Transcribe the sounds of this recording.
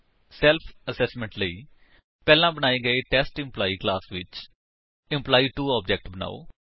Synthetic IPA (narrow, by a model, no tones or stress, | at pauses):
sɛːlpʰəsɛːsmə̃ɳʈləiː | pɛːlãːbənaːeːɡəeːʈɛːsʈɪ̃mplaːiːklaːsʋɪt͡ʃ | ɪmplaːiːʈuːaːb̚d͡ʒɛk̚ʈbəna̰ːo̰ː